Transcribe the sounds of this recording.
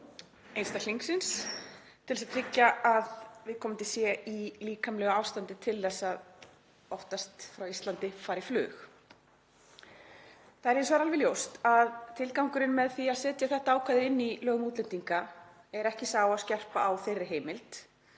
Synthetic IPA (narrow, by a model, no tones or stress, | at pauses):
ejnst̪aliŋksɪns | t̪ʰɪlsaðt̪ʰɾɪcːaʔaðvɪðkʰɔːmɪnt̪ɪsjɛiliːkamlɛːɣaaːwst̪ant̪ɪt̪ʰɪlθɛsːað | ɔft̪ast̪fɾawist̪lant̪ɪfaːɾɪflʏ̰ːx | θaðɛɾejnsɔaɾalvɪljowst̪aðt̪ʰɪlkawŋkʏɾɪnmɛðθiaðsɛːt̪jaθɛht̪aaːwkʰaðɪɪnːilœːɣmuːt̪lɛnt̪iŋka | ɛɾɛhcɪsaːwascɛr̥paʔawθejrːɪɦeːjmɪlt̪